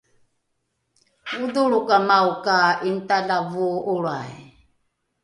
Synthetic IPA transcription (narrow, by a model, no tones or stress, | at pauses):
ud̪uɺukʼamaukaʔint̪ʼalavuʔːɺa̰i